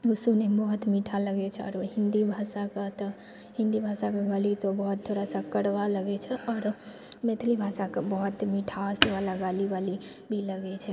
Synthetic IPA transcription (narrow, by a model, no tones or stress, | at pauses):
ɡusunebəɦut̪miʈʰaləɡɛt͡ʃʰɛɔ̰ɾoɦind̪ibʱasaket̪ɔ | ɦind̪ibʱasakeɡəlit̪obəɦut̪ʰːoɽasə̃kəɽʋaləɡɛt͡ʃʰɛʔɔːɾ | met̪ʰlibʱasakebəɦut̪miʈʰasebalaɡalibali | bʱiləɡɛt͡ʃʰɛ